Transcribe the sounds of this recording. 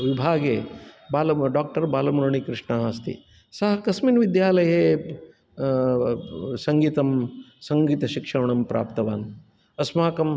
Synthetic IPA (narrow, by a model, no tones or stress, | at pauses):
ʋibʱaːɡeːbaːlɐɖaːk̚ʈɐɾbaːlɐmuɾɐɳikɾɪʂɳɐɦaːst̪ḭ | sɐɦɐkɐsminʋid̪jaːlɐjeː | sɐŋɡiːt̪ɐmsɐŋɡiːt̪ɐʃikʂɐɾɐɳɐmpɾʔa̰ːpt̪ɐʋa̰ːn | ɐsmaːkɐm